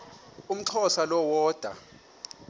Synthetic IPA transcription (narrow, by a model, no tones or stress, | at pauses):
um̩ǁʰɔsalɔwɔːd̥ʱwa̰